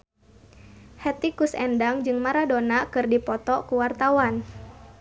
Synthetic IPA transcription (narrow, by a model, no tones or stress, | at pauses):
hɛt̪ikusɛndaŋd͡ʒɨŋmaɾadonakɨrdipɔt̪ɔkuwart̪awan